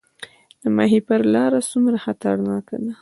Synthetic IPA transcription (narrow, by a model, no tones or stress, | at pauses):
d̪əma̰ɦipəɾlɑɾasumɾaxat̪aɽnɑka̰d̪a